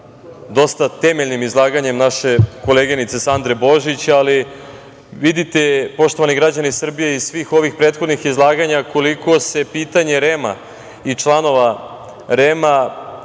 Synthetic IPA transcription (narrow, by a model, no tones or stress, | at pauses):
d̪o̞st̪at̪emeʎnimizlˠaːɡaɲe̞mnaʃe̞ko̞leɡenit̪se̞sand̪ɾebo̞ʒit͡ɕali | ʋid̪it̪epo̞ʃt̪oʋaniɡɾad͡ʑanisr̩bije̞isʋiːxo̞ʋixpɾet̪xo̞d̪nixizlˠaːɡaɲako̞liko̞se̞piːt̪aɲe̞ɾema̰ | it͡ʂlˠano̞ʋa | ɾema